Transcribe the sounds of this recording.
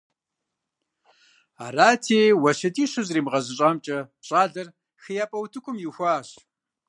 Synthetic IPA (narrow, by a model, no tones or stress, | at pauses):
a̰ːraːtʰeːwɐɕɐtʼiːɕɨzriːmʁɐʑɨɕʼaːmt͡ʃʼɐpɕʼaːɮɐr | xɨjaːpʼɐwtʰɨkʷʰʼʊmjɪxʷaːɕ